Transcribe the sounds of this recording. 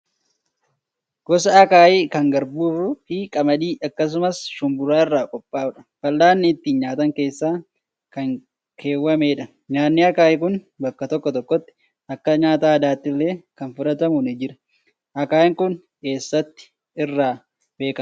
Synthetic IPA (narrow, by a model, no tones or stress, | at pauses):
ɡ̥ɔs̬ɐɐkaːjiːkɐŋɡɐɾbuːrʊhiːkʼɐmɐd̪iːʔɐkːɐs̬ʊmɐsʃʊmbʊɾaːɪrːaːkʼɔpʼːaːʊᶑɐ̥fɐlːaːnːɪːt̪ːiːnɲaːt̪ɐŋke̞ːsːaː | kɐŋ | kʰe̞ːwɐmeːᶑɐ | ɲaːnːɪɐkaːjɪk̬ʊn | bɐkːɐt̪ɔkːɔt̪ɔkːɔt̪ːɪ̥ | ɐkːɐɲaːt̪aːɐd̪aːt̪ːɪlːe̞ːkɐnfʊᶑɐt̪ɐmʊnɪd͡ʒɪɾɐ̥ | ʔɐkaːɪŋkʊn | ke̞ːsːɐt̪ːɪ̥ | ɪrːaː | be̞ːkɐ